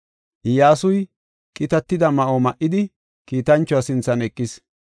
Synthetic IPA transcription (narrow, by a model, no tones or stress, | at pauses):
ʔɪjaːsʊj | kʼɪt̪ɐt̪ːɪd̪ɐmɐʔomɐʔːɪd̪ɪ | kiːt̪ɐnt͡ʃːɔɐsɪnt͡sːɐnɛkʼːɪs